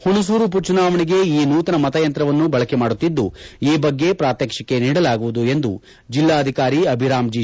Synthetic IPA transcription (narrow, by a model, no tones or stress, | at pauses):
huɳus̬uːɾup̬ut͡ʃunaːʋɐɳiɡe̞iːnuːt̪ɐnɐmɐt̪ɐjɐnt̪ɾɐʋɐnːubɐɭɐkemaːɽut̪ːid̪ːuiːbɐɡːe̞pɾaːt̪jeːkʂɐkːe̞niːɽɐlaːɡuʋud̪ue̞nd̪u | d͡ʒilːaːɐd̪ʱikaːɾiɐbʱiɾaːmd͡ʒi